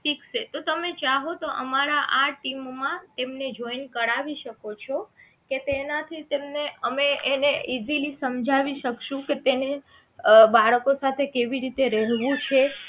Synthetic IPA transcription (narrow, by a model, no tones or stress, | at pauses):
ʃikʃet̪ot̪əmet͡ʃaɦot̪oʔəmaɾaʔaʈimmãt̪emned͡ʒoinkəɽaʋiʃəkot͡ʃʰo | ket̪enat̪ʰit̪emneəmeʔeneizilisəmd͡ʒʱaʋiʃəkʃũket̪ene | baɭəkosat̪ʰekeʋiɾit̪eɾɛɦʋũt͡ʃʰe